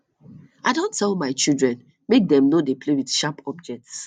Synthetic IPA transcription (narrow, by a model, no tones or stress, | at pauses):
aɪdõntʰːɛlˠmaɪt͡ʃidɹɛ̃n | mek̚dɛ̃mnodeplewitʃapʰɔb̚d͡ʒɛk̚ts